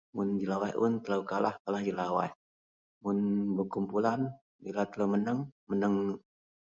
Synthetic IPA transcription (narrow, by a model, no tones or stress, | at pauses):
mʊnd͡ʒilawajʔʊnt̪ələwkalahkalahd͡ʒilawa̰j | mʊnbərkumpulan | bilat̪ələwmənəŋmənəŋ